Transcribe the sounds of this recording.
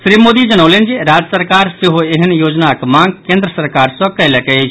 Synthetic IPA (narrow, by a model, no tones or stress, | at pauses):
sɾimod̪id͡ʒənəʊlend͡ʒiɾad͡ʒəsəɾkaɾseɦoeɦənjod͡ʒnakmãŋɡ̚kẽnd̪ɾəsəɾkaɾsɔ̃kələkɛet͡ʃʰ